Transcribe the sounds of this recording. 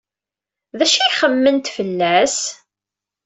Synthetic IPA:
ðæʃiχəmːənt̪fəlːæs

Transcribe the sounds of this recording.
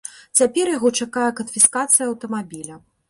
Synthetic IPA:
t͡sʲapʲɛɾjaɣɔt͡ʂakajɛkɐnfʲiskat̪sɨjɐɐwt̪ɐmabʲilʲɐ

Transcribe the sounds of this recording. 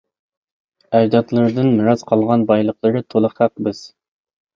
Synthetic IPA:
æd͡ʒd̪ɑt̪lˠɨɾd̪ɨnmɨɾɑz̥qʰɑlˠʁɑnbɑjlˠəqlˠəɾɨt̪ʰolˠəχæqbɪz̥

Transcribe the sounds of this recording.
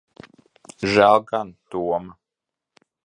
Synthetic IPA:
ʒælˠɡant̪uɔma

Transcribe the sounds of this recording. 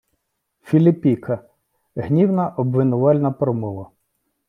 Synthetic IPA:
fʲilʲɪpʲikʰɐ | ɦnʲiwnɐʔɔbʋɪnʊʋɑlʲnɐpɾɔmɔʋɐ

